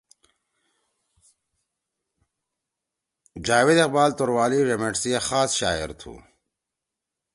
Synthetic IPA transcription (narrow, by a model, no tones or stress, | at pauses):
d͡ʑaːwed̪eqbaːlt̪oɾwaːliɾemeʈsijexaːsɕaːḛɾt̪ʰṵː